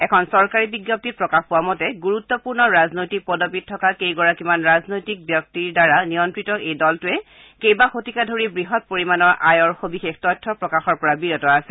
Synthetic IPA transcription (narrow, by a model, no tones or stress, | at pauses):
ɛkʰɔnsɔɹkaɹibiɡjɔp̚tit̚pɹɔkaxpʊwamɔtɛɡuɹutːɔpuɹnɔɹaznojtik̚pɔdopit̚ʰːɔkakejɡɔɹakimanɹaznojtik̚bjɔk̚tiɹdaɹanijɔntɹitɔʔejdɔltʊɛ | kejbaxotikadʱoɹibɹiɦɔt̚poɹimanɔɹʔajɔɹxobixextɔtʰːɔpɹɔkaxɔɹpɔɹabiɹɔtɔasɛ